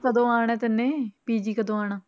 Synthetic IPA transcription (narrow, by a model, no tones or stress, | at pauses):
kəd̪õːaːɳɛːt̪ɪnːẽːpiːd͡ʒiːkəd̪õːaːnaː